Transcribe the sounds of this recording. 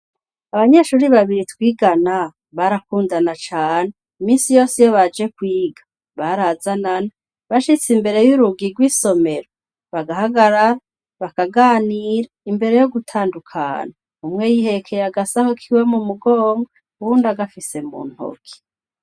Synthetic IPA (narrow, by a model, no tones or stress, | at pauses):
aβaɲe̞ʃuːɾiβaβiɾitwiːɡana | βaɾakuːndanat͡ʃaːne | imiːnsijo̞ːsijoβad͡ʒe̞kwiːɡḁ | βaɾazanana | βaʃit͡simbe̞ɾe̞juɾuɡiɡwiːso̞me̞ɾo | βaɡahaɡaɾaɾa | βakaɡaːniɾaimbe̞ɾe̞jo̞ɡutʰaːndukʰa̰na | umŋejihe̞kʰejaɡasahukʰiwe̞mumuɡo̞ːŋɡa | uwuːndaɡafise̞mṵːn̥ho̰kʰi̥